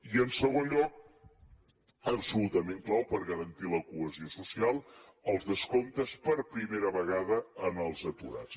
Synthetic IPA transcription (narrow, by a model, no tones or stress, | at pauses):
iənsəɣ̞onʎɔk̚ | əbsulut̪əmeŋklawpəɾɣəɾənt̪iləkuəziosusialˠəlˠzðəskont̪əspəɾpɾimeɾəβəɣaðəənəlˠzət̪uɾa̰t͡s